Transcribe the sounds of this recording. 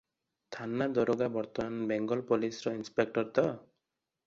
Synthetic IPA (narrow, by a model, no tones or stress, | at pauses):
t̪ʰanːad̪ɔɾoɡabɔɾt̪ɔmanbeŋɡɔlpɔlisɾɔinspek̚ʈɔɾt̪ɔ